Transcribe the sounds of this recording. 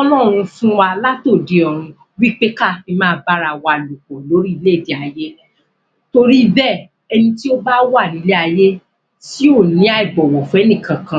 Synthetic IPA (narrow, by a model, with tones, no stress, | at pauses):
ɔ˦lɔː˦˨ɾ̃ũ˧fũ˦wa˧la˦to˦˨de˨ɔ˨ɾ̃ũ˧ | wi˦k͡pe˦ka˦˨fi˧mãː˦ba˦ɾa˧˨wa˧˨lu˨k͡pɔ˨lo˨˦ɾi˦i˧le˦˨di˨a˧je˦ | to˧ɾi˦bɛ˦˨ | ɛ˧nĩ˧ti˦o˦ba˦wa˦˨nĩ˨˦le˦a˧je˦ | ti˦o˦˨nĩ˨˦a˦i˨bɔ˨wɔ˨fɛ˨˦nĩ˦˨kã˨kã˧